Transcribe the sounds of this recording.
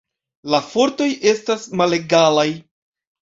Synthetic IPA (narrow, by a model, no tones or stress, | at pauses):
lafo̞ɾto̞je̞stasmale̞ɡalaj